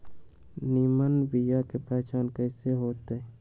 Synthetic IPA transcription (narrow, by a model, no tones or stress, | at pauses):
niːmənbijakepɛːt͡ʃaːnkəɪseɦoːt̪e